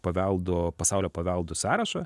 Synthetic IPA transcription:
pɐʋʲɛlˠd̪opɐsɑˑʊlʲoːpɐʋʲɛlˠd̪ʊsɑːɾɐʃɐ

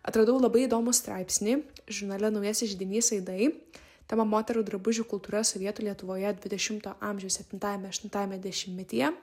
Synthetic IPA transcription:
ɐ̰t̪ɾɐd̪ɐʊlˠɐbɐɪid̪oːmust̪ɾɑˑɪpʲsʲnʲiːʒʊɾnɑlʲɛnɒʊjɛsʲɪʒʲɪd̪ʲɪnʲiːsɐɪd̪ɐɪ | t̪ʲɛmɐmoːt̪ʲɛɾuːd̪ɾɐbʊʒʲuːkʊlˠt̪uːɾɐsoːʋʲiɛt̪uːlʲiɛt̪ʊʋoːjɛd̪ʲʋʲɪd̪ʲɛʃʲɪmt̪oːʔɑːmʲʒʲɛʊssʲɛpʲt̪ʲɪnt̪ɑːjɛmʲɛʃʲt̪ʲɪnt̪ɑːjɛmʲɛd̪ʲɛʃʲɪmmʲɪt̪ʲijɛ

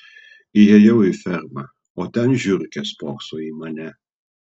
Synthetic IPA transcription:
ɪjɛjɛwɪfʲɛɾmɐ | oːt̪ʲɛnʒʲʊɾʲkʲɛspoːksoːiːmɐnʲɛ

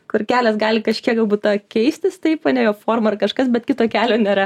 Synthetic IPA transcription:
kʊrkʲæːlʲɛsɡɑːlʲɪkɐʃʲkʲiɛɡɐlˠbuːt̪t̪ɑkʲɛɪsʲt̪ʲɪst̪ɐɪpɐnʲɛjoːfoːrmoɐrkɐʃkɐsbʲɛt̪kʲɪt̪oːkʲæːlʲoːnʲeːɾɐ

